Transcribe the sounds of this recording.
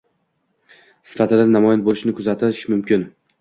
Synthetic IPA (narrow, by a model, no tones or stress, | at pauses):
sɪ̥fat̪ʰɪd̪anamɒjɪnbolɪʃnɪkʰʊzat̪ʰɪɪʃmʊmkʲɪn